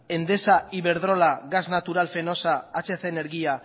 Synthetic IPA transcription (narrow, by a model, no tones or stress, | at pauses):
e̞nd̪e̞saiβe̞ɾðɾo̞laɡaznat̪uɾalfe̞no̞saːt͡ʃeθeneɾɣia